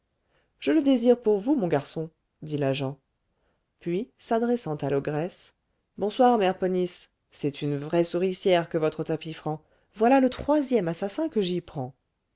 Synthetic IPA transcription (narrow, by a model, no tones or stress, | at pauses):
ʒ̥ələd̪eziʁpuʁvumɔ̃ɡaʁsɔ̃ | d̪ilaʒɑ̃ | pɥisad̪ʁɛsɑ̃t̪alɔɡʁɛs | bɔ̃swaʁmɛʁpɔnisː | ɛt̪ʰynvʁɛsuʁisjɛʁkəvɔt̪χət̪apifχɑ̃ | vwalalət̪χwazjɛmasasɛ̃kəʒipχɑ̃